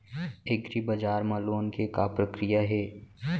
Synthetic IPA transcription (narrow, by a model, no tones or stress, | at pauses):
ɪɡɾibɐd͡ʒaːɾmɐloːnkekapɾəkɾijaɦɛː